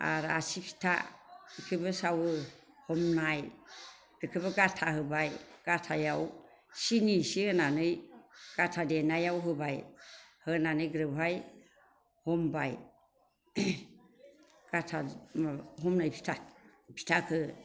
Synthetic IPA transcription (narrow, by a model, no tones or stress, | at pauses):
a̰ɾasipʰi̥tʰa̰kʰɯbɯsawɯ | hɔmnaj | ɾkʰɯbɯɡatʰahɯbajɡ̥atʰajaw | sinisihɯnanɯjɡ̥atʰadenajawɦɯbajhɯnanɯjɡɾɯbaj | hɔmbaj | ɡ̥atʰa | ɦɔmnajpʰi̥tʰapʰi̥tʰakʰɯ